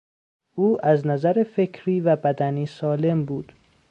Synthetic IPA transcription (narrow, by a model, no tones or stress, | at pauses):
ʔuːʔæznæzæɾefe̞kʰɾiːvæbæd̪æniːsɒːle̞mbuːd̪̥